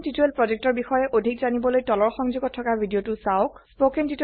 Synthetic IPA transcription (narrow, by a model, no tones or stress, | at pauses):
tituelpɹɔzek̚tɔɹbixɔjɛʔodʱikzanibɔlojtɔlɔɹxɔŋzuɡɔtʰːɔkabʱidiotʊsaʊk̚spokentit